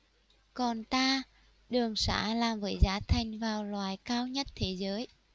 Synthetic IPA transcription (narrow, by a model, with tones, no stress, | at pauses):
kɔ˨˩nt̪aː˧ | ɗɨ˨˩əŋsa̰ː˧˥laː˨˩mvəː˨˦jzaː˨˦t̪ʰa˨˩jŋ̟vaː˨˩wlwaː˨˩jkaː˧wɲə˦˥t̚t̪ʰe˨˦zəː˨˦j